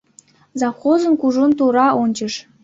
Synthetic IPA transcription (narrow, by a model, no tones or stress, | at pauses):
zɑfχozə̆nkuʐont̪uɾɑonʲt͡ɕɤ̆ʃ